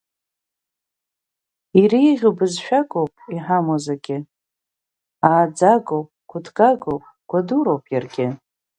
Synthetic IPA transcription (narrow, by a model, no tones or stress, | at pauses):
iɾiʁʲʊbɨzʃᶣaɡʷʼowpʼiħamozaɡʲɪ | aːd͡zaɡowpʼɡʷʰʊdʰɡʼaɡowpʼ | ɡ̥ʷaduɾo̞wpʼjarɡʲɪ